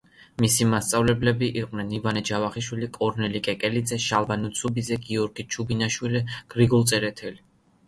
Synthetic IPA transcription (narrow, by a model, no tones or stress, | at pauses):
misimast̪sʼavlɛblɛbiʔiqʼwnɛnivanɛd͡ʒavaχiʃwilikʼɔɾnɛlikʼɛkʼɛlid̪zɛʃalˠbanut̪sʰubid̪zɛɡiɔɾɡit͡ʃʰubinaʃwilɛɡ̥ɾiɡɔlˠt̪sʼɛɾɛt̪ʰɛli